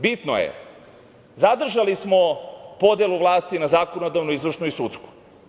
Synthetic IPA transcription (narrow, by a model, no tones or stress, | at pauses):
bit̪no̰jḛ | zad̪r̩ʒalismopod̪elˠuʋlˠaːst̪inazaːkonod̪aʋnoizʋr̩ʃnuisut̪sku̥